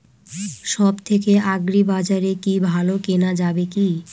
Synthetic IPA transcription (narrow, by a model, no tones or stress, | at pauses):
ʃɔbt̪ʰekeʔaɡɾibad͡ʑaɾekibʱalokenad͡ʑabeki